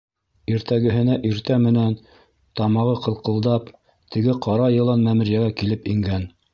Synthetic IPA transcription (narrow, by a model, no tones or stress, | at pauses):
iɾt̪æɡɘ̆ɦɘ̆næʔiɾt̪æmɘ̆næn | t̪ɑmɑʁɤqɤ̆lˠqɤ̆lˠd̪ɑp | t̪ʰɘ̆ɡɘqɑɾɑjɤ̆lˠɑnmæmɘ̆ɾjæɡækilɘpiŋɡæn